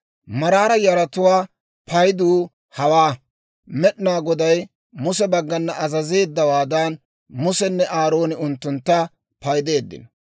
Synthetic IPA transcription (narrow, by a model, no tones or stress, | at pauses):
mɐɾaːɾɐjɐɾɐt̪ʊwaː | pɐjd̪uː | hɐwaː | mɛɗɪnaːɡɔd̪ɐj | mʊsɛbɐɡːɐnːɐʔɐzɐze̞ːd̪ːɐwaːd̪ɐn | mʊsɛnːɛʔaːɾo̞ːnɪʊnt̪ːʊnt̪ːɐ | pɐjd̪e̞ːd̪ːɪ̰n